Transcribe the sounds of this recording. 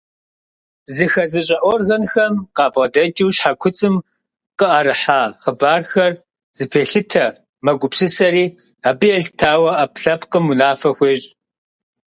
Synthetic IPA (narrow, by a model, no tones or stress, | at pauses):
zɨxɐzɨɕʼɐʔʷɔrɣɐnxɐmqɑːbʁɐdɐd͡ʒʼiwɕħakʷʰʊt͡sʼɨm | qəʔɐɾɨħaːχəbaːrxɐr | z̥ɨpʰeːɬɨtʰɐ | mɐɡʷʊpsɨsɐɾiː | aːbɨjɛɮtʰaːwɐapɬɐpqəmunaːfɐxʷeːɕʼ